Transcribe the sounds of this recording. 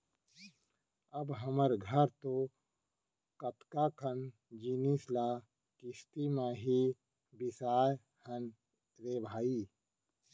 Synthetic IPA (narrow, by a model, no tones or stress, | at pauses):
ɐbɦɐməɾɡʱəɾt̪oː | kɐt̪kaːkʰən | d͡ʒiːnislaː | kist̪imãːɦi | bɪsaːj | hən | ɾeːbʱaːi